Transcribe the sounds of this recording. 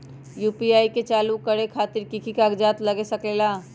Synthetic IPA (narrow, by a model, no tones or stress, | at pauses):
jupiaːiket͡ʃaːlukəɾekʰaːt̪iɾkikʰikaɡd͡ʒat̪ləɡesəklela